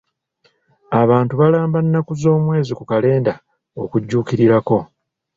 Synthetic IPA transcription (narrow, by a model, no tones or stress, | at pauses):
aβaːntuβalaːmbanːakuzo̞ːmwe̞ːzikukale̞ːnda | o̞̰kuɟːuːkiɾiɾako̞